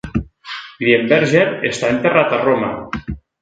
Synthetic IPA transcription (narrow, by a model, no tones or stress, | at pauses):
ɡɾiembeɾʒeɾest̪aent̪erat̪aroma